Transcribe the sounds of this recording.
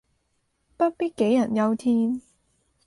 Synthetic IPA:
pɐ˥t̚piː˥t̚ke˨˥jːɐ˨˩njɐ˧wt̪ʰiː˥n

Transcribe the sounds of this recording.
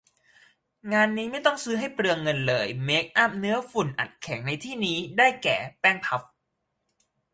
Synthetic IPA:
ŋaː˧nːiː˦˥ma˥˩jt̪ɔ˥˩ŋsɯː˦˥ɦa˥˩jpɾɯ˧əŋːɤ˧nlɤː˧jme˦˥k̚ʔa˥˩p̚nɯ˦˥ɐfu˨˩nʔa̰˨˩t̪̚kʰɛ˩˦ŋna˧jt̪ʰiː˥˩niː˦˥daː˥˩jkɛ̰ː˨˩pɛː˥˩ŋp̪ʰa˦˥p̚

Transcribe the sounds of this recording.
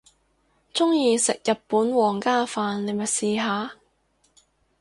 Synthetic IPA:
t͡sʊ˥ŋjiː˧sɪ˨k̚jɐ˨t̚puː˨˥nwɔː˨˩ŋkaː˥faː˨nle˨˧jmɐ˨t̚siː˨ɦaː˨

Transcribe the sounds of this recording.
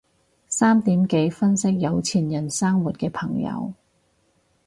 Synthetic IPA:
saː˥mt̪iː˨˥mke˨˥jfɐ˥nsɪ˥k̚jɐ˨˧wt͡sʰiː˨˩njɐ˨˩nsaː˥ŋwu˨t̚kɛː˧pʰɐ˨˩ŋjɐ̰˨˧w

